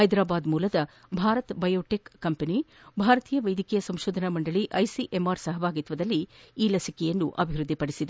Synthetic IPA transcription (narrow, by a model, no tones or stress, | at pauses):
ɦɐjd̪ɾaːbaːd̪muːlɐd̪ɐ | bʱaːɾɐt̪bɐjoːʈekːɐmpɐni | bʱaːɾɐt̪iːjɐʋɐjd̪ʱikijɐsɐmʃoːd̪ʱɐnɐmɐɳɖɐɭiʔɐjsiʔemaːɾsɐɦɐbʱaːɡit̪ʋɐd̪ɐlːiiːlɐsikɛjɐnːuʔɐbʱiɾud̪ʱːipɐɽisid̪e